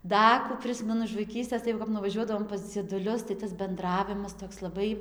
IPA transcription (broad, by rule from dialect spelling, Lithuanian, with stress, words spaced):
ˈdɐ kuː ˈpʲrʲɪsʲmʲɛnʊ ɪʃ ʋɐɪˈkʲiːsʲtʲeːs tɐɪ jɛʊ kɐp nʊʋɐˈʒʲuɔdɐʋoːm pɐs d͡zʲiɛdʊˈlʲʊs tɐɪ tɐs bʲɛnˈdrɑːʋʲɪmɐs ˈtoːks lˠɐˈbɐɪ